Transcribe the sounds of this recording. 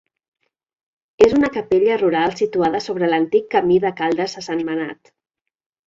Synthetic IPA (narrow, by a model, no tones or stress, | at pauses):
ezunəkəpeʎəruɾalˠsit̪uaðəsoβ̞ɾələnt̪ikːəmiðəkalˠd̪əsəsənməna̰t̪